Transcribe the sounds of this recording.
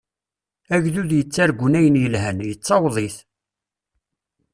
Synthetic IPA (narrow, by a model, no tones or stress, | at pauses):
æʝðuðjət͡sːæɾɡʷnæjənjəlɦænjət͡sːɑwðˤiθ